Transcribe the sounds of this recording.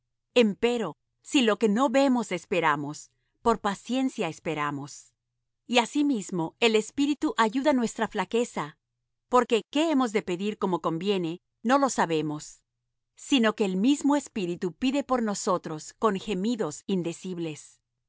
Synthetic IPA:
e̞mpe̞ɾo̞ | silo̞ke̞no̞βe̞mo̞se̞spe̞ɾamo̞s | po̞ɾpasje̞nsjaespe̞ɾamo̞s | iasimizmo̞e̞le̞spiɾit̪uʔaʝuðanwe̞st̪ɾaflake̞sa | po̞ɾke̞ke̞emo̞zðe̞pe̞ðiɾko̞mo̞ko̞mbje̞ne̞ | no̞lo̞saβe̞mo̞sː | ino̞ke̞ːlmizmo̞e̞spiɾit̪upiðe̞po̞ɾno̞so̞t̪ɾo̞sko̞ŋxe̞miðo̞sind̪e̞siβle̞s

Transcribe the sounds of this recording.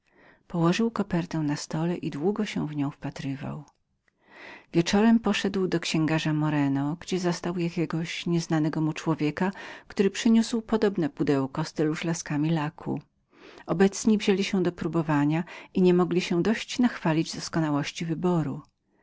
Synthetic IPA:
pɔwɔʐɘwkɔpɛɾt̪ɛw̃nast̪ɔlɛʔid̪wuɡɔɕɛ̃w̃vɲɔ̃w̃fpat̪ɾɘva̰w | vʲjɛt͡ʂɔɾɛmpɔʂɛd̪wd̪ɔkɕɛ̃ŋɡaʐamɔɾɛnɔɡd͡ʑɛzɔst̪awjakʲɛɡɔɕɲɛznanɛɡɔmut͡ʂwɔvʲjɛkakt̪uɾɘpʂɘɲuswpɔd̪ɔbnɛpud̪ɛwkɔst̪ɘluʂlaskamʲilakʰṵ | ɔbɛt̪sɲivʑelʲiɕɛd̪ɔpɾubɔvaɲaiɲɛmɔɡlʲiɕɛ̃d̪ɔɕt͡ɕnaxfalʲid͡ʑd̪ɔskɔnawɔɕt͡ɕivɘbɔɾu

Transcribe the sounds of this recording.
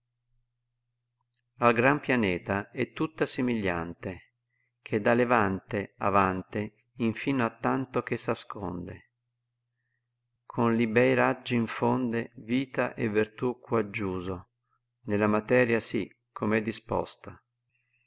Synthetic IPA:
alɡɾampjanɛːt̪aɛt̪ːut̪ːasemiʎːa̰nt̪e | k̟ʰed̪alevant̪ea̰vant̪e | iɱfinoat̪ːant̪ok̟esaskʰɔ̰nd̪e | kʰonlibɛjɾad͡ʒːiiɱfond̪eviːt̪aʔevːirt̪ukːwad͡ʒːuːzo | nelamat̪ɛːɾjasi | kʰːomɛd̪ːispɔ̰st̪a

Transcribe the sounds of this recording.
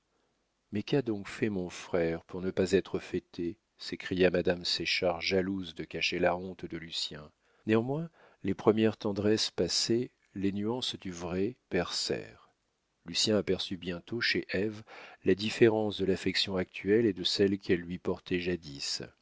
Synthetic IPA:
mɛkad̪ɔ̃kfɛmɔ̃fχɛʁpuʁnəpazɛt̪χəfɛt̪ʰe | sekχijamad̪amseʃaʁʒaluzd̪əkaʃelaɔ̃t̪d̪əlysjɛ̃ | neɑ̃mwɛ̃ | lepχəmjɛʁt̪ɑ̃d̪ʁɛspase | lenyɑ̃sd̪yvʁɛpɛʁsɛ̰ʁ | lysjɛ̃apɛʁsybjɛ̃t̪oʃeʔɛvlad̪ifeʁɑ̃sd̪əlafɛksjɔ̃ak̚t̪ʰɥɛled̪əsɛlkʰɛlːɥipɔʁt̪ɛʒad̪is

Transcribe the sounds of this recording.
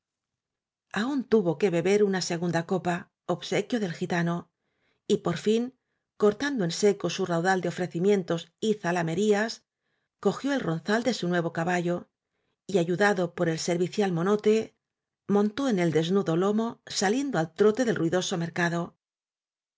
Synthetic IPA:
aunt̪uβo̞ke̞βe̞βe̞ɾunase̞ɣund̪ako̞pa | oβse̞kjo̞ðe̞lxit̪ano̞ | ipo̞ɾfiŋ | ko̞ɾt̪and̪oe̞nse̞kosurawðald̪eofɾe̞θimje̞nt̪o̞siθalame̞ɾias | ko̞xjo̞e̞lro̞nθald̪e̞sunwe̞β̞o̞kaβaʝo̞ | iaʝuðaðo̞po̞ɾe̞lse̞ɾβiθjalmo̞no̞t̪e̞ | mõ̞nt̪o̞ene̞ld̪e̞znuðo̞lo̞mo̞salje̞nd̪oalt̪ɾo̞t̪e̞ðelrwiðo̞so̞me̞ɾkaðo̞

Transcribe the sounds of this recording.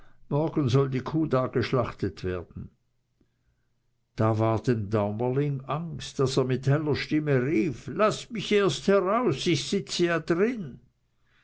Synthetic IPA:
mɔɐɡənzɔldiːkʰuːdaːɡ̥əʃlaχtətv̥eːɐd̥n̩ | d̥aːvaːɐd̥emdaʊməlɪŋaŋstd̥aseːɐmɪthɛlɐʃtɪməʁiːflasmɪçeːɐsthɛʁaʊsɪçsɪt͡səjadʁɪn

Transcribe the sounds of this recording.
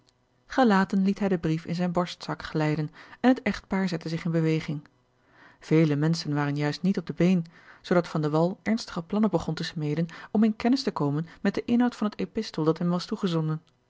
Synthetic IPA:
χəlaːtənlitɦɛjdəbrifɪ̰nzɛjnbɔɹstsɑkχəlɛjdənɛnɦətɛχt̚paːɹzɛtəzɪχɪnbəʋejχɪŋ | v̥ejləmɛnsənʋaːrənjœɥstnitɔb̚dəbejnz̥owdɑtfɑndəʋɑlˠʔɛɹnstə̥χəplɑnəbəχɔntəsmejdənɔmɪnkɛnɪstəkowmənmɛt̚dəʔɪnɦɑwtfɑnɦətepɪstəlˠdɑtɦɛmʋɑstuχəzɔndən

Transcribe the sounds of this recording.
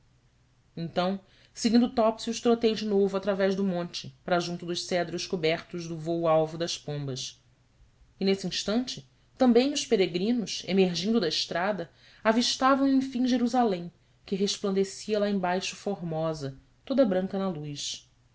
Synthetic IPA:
ẽnt̪ɐ̃w̃ | sɪɡĩnd̪ʊt̪ɔpsiʊʃt̪ɾot̪ejd͡ʒɪnovʊat̪ɾavɛʒd̪ʊmõnt͡ʃɪpɾɐʒũnt̪ʊd̪ʊʃsɛd̪ɾʊʃkubɛɾt̪ʊʒd̪ʊvowawvʊd̪ɐspõmbɐs | ɪnesiĩʃt̪ɐ̃nt͡ʃɪ | t̪ɐ̃mbẽj̃ʊspeɾeɡɾĩnʊʃemeɾʒĩnd̪ʊd̪ɐɪʃt̪ɾad̪ɐ | aviʃt̪avɐ̃w̃ẽj̃fĩŋ̃ʒeɾuzalẽj̃ | kɪɦeʃplɐ̃nd̪esiɐlaẽj̃bajʃʊ̥foɾmɔzɐ | t̪od̪ɐbɾɐ̃ŋkɐnɐlujʃ

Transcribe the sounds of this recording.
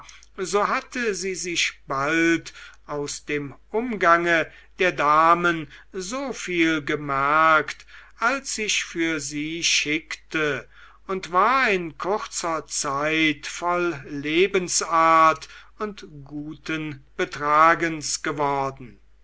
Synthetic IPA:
zoːɦatʰəziːzɪʃb̥altʔaʊsd̥eːmʔʊmɡaŋə | d̥eːɐdaːmənzoːfiːlɡəmɛɐktʔalsɪʃfyːɐziːʃɪktʰə | ʊntv̥aːɐɪnkʰʊʁt͡sɐt͡saɪtfɔlːeːbənsaɐt | ʊntɡ̥uːtənb̥ətʁ̥aːɡənsɡ̥əvɔɐdn̩

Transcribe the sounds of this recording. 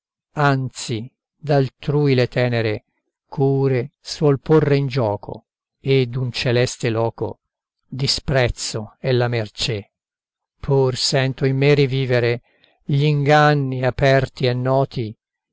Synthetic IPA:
ant̪si | d̪alt̪ɾuːilet̪ɛːneɾe | kʰuːɾeswɔlpʰorːeind͡ʒɔːkʰo̰ | ed̪unt͡ʃelɛst̪elɔːko̰ | d̪ispɾɛt̪sːoɛlːamert͡ʃe | pʰːursɛnt̪oimːeriviːveɾe | ʎiŋɡanːiapɛrt̪iɛnːɔːt̪i

